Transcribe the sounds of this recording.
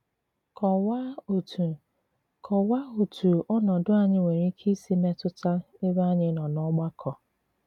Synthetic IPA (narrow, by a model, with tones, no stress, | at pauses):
kʰɔ˨wa˦o˨tʰu˨ | kʰɔ˨wa˦o˨tu˨ʔɔ˦nɔ˨dʊ˦a˨ɲɪ˦we˨ɾi˦kʰi˦si˦me˦tʊ˦ta˦e˦ba˦ɲɪ˦nɔ˨nɔ˦ɡ͡ba˦kʰɔ˨